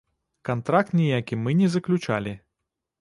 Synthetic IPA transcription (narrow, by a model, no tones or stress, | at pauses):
kant̪ɾak̚t̪nʲijakʲimɨnʲɛzɐklʲut͡ʂa̰lʲi